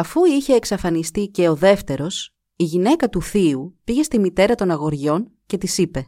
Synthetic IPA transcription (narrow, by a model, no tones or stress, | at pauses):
ɐfuiçe̞ːksɐfɐnist̪ice̞o̞ðe̞ft̪e̞ɾo̞s | iʝine̞kɐt̪uθiupiʝe̞st̪imit̪e̞ɾɐt̪o̞nɐɣo̞ɾʝo̞n | ce̞t̪isipe̞